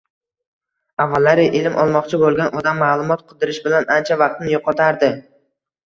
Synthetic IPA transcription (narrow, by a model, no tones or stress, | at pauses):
avːalːaɾɪʔɪlɪmʔɒ̰lˠmɒqt͡ʃʰɪbolˠɡʲanʔɒd̪amːaːlˠʊmɒt̪̚qʰɨd̪ɪɾɪʃbɪlanant͡ʃʰavɑqt̪nɪjoqʰɒt̪ʰaɾd̪ɪ